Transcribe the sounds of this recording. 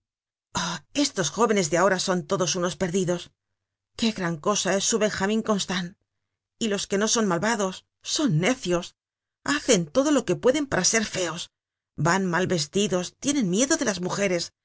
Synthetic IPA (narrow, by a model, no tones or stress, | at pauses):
oe̞st̪o̞sxo̞βe̞ne̞zðeao̞ɾaso̞nt̪o̞ðo̞suno̞spe̞ɾðiðo̞s | ke̞ɣɾaŋko̞sae̞sːuβe̞ŋxamĩŋko̞nst̪an | ilo̞ske̞no̞so̞nmalβaðo̞sː | o̞nːe̞θjo̞s | aθe̞nt̪o̞ðo̞lo̞ke̞pwe̞ðe̞mpaɾase̞ɾfe̞o̞s | banmalβe̞s̬t̪iðo̞st̪je̞nẽ̞nmje̞ðo̞ðe̞lazmuxe̞ɾe̞s